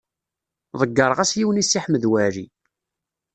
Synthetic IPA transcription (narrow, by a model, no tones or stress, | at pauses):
ðˤəɡːəɾˤʁæsjiwənisːiħməðwæɾḭ